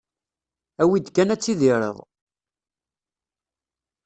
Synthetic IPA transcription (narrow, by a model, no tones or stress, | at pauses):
æwid̪kːænæt͡sːiðiɾə̰ðˤ